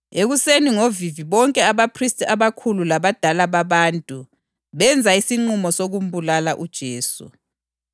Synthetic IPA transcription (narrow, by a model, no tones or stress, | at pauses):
eɣuseniŋoviviβɔŋkʼɛaβapʰristʼaβakʰululaβad̥ʱalaβaβaːntʼu | βɛnd͡zʱaisiŋ͡ǃumɔsoɣum̩bulalaʔud̥ʒ̥ʱeːsṵ